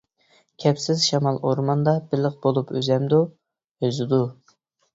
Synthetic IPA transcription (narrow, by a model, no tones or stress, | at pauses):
kʲʰɛpsɪzʃɑmɑlˠoɾmɑnd̪ɑbɪləq̚b̥olˠupʰøzɛmd̪u | øzɪd̪u